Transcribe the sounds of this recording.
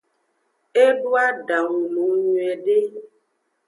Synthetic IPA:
e˦ɖu˦a˦ɖa˨ŋ˨nũ˨˦ɲũ˨ɛ˨ɖe˦

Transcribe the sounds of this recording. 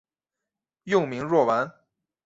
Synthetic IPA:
jʊ˥˩ŋmi˧˥ŋɻwɔ˥˩wa˧˥n

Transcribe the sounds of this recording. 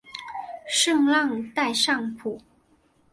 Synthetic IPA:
ʂɤ˥˧ŋlɑ˥˧ŋt̪a˥˧ɪʂɑ˥˩ŋpʰu˨˩˦

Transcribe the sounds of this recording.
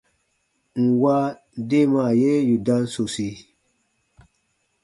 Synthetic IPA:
ŋ̩˨wa˦ | de˦ma˨je˦ju˨dã˦nso˨si˨

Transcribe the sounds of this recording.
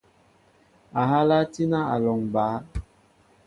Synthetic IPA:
a˨ɦa˦la˦ti˦na˦a˨lɔ˨ŋbaː˨˦

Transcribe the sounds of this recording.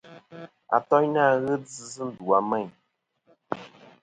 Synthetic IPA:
a̰˨tɔ˦ɲna˦˨ɣə˦d͡zɨ˨zɨ˦n̩˦du˨a˨˦mɛ˦˨ɲ

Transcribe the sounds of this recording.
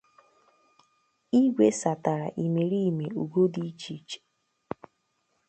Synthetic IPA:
i˦ɡʷe˦sa˨ta˨ɾa̰˨ʔi˨me˨ɾi˦˨me˨u˨ɡo˦di˦t͡ʃi˦t͡ʃe̥˨

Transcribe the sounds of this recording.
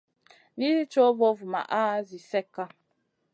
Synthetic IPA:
ni˦zi˦t͡ʃo˦vɔ˦vma̰˨ʔa˦zi˨sɛ˦kːa˦

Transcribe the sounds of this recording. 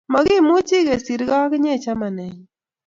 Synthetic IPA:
mɔ˨ɣɪ˦˨mʊ˦t͡ʃi˦ɣe˨si˨ɾɣa˦kɪ˦ɲe˦˨t͡ʃa˦ma˨nɛ˨ɲ

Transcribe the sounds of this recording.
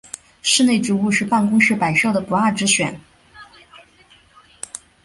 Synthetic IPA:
ʂɻ̩˥˧ne˥˩ɪʈ͡ʂu˧˥u˥˧ʂɻ̩˥˧pa˥˩nkʊ˥ŋʂɻ̩˥˩pa˨˩ɪʂʊd̪ə˩pu˨˩a˥˩ʈ͡ʂɻ̩˧˥ɕɥɛ˨˩˦n

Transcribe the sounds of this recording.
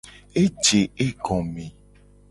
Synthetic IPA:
e˦d͡ʒe˨e˦ɡɔ̃˨me˨

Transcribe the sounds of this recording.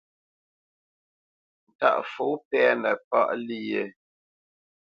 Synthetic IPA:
n̩˨ta̰˦ʔfo˨˦pɛ˦nə˨pa̰˦ʔli˦je˦˨

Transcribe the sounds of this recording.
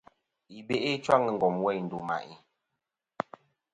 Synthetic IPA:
i˨be˦ʔe˦t͡ʃwa˦ŋə˨ŋ̩˨ɡɔ˨mwɛ˦˨jn̩˨du˨ma̰˨ʔi˨

